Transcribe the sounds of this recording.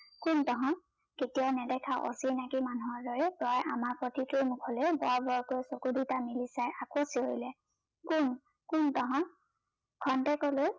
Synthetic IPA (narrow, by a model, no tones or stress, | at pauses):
kuntɔɦɔ̃ | ketijɔʊnɛdɛkʰaʔo̰sinakimanuɦɔɹdɔɹɛpɹɔjʔamaɹpɹɔtitɹumʊkʰɔlejbɔɹbɔɹkojsokudutamilisajakosioilɛ | kun | kuntɔɦɔ̃ | kʰɔntɛkɔloj